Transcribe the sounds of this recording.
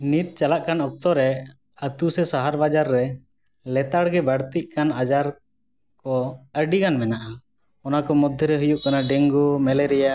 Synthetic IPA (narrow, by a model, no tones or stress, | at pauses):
nit̪̚t͡ʃalaʔkanɔk̚t̪ɔɾɛ | ət̪usɛsaɦaɾbad͡ʒaɾːɛ | lɛt̪aɽɡɛbəɽt̪iʔ̚ˀkanad͡ʒaɾ | kɔəɖikanmɛnaʔa | ɔnakɔmɔd̪ʱːjɔɾɛɦujuʔkanaɖɛŋɡumɛlɛɾɛja